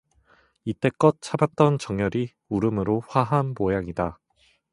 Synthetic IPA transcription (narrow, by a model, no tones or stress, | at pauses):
it͈e̞k͈ʌt̚t͡ɕʰabat̚t͈ʌnt͡ɕʌŋjʌɾi | uɾɯmɯɾoɸwaɦanpojaŋida